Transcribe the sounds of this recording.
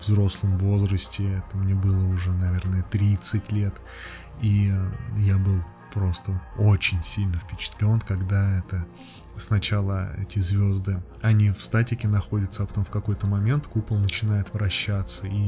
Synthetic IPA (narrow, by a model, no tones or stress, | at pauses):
vzɾo̞slˠəmvo̞zɾəsʲtʲɪɛt̪əmnʲe̞bɨlˠəʊʐɛnɐvʲe̞rnəjət̪ɾʲit̪sɨtʲlʲe̞t̪ | ijabɨlˠ | pɾo̞st̪əo̞t͡ɕɪnʲsʲilʲnəfpʲɪt͡ɕɪ̥t̪lʲo̞nkɐɡd̪aɛt̪ə | snɐt͡ɕalˠə̰ɛ̰tʲɪzʲvʲo̞zd̪ɨ | ɐnʲifst̪atʲɪkʲɪnɐxo̞dʲət̪səɐpɐ̥t̪o̞mfkɐko̞jt̪əmɐmʲe̞nt̪kupəlˠnət͡ɕɪn̪ajɪt̪vɾɐɕːat̪səi